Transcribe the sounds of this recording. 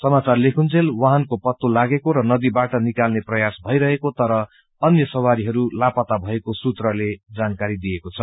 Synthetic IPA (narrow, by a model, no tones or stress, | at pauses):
sʌmat͡sarlekʰunt͡sʰelwaɦankopʌt̪ːolaɡekoɾʌnʌd̪ibaʈʌnikalneprʌjasbʱʌjɾʌɦekot̪ʌɾʌ | ʌnjʌsʌwaɾiɦʌɾulapʌt̪abʱʌekosut̪rʌled͡zankaɾid̪ijekot͡sʰʌ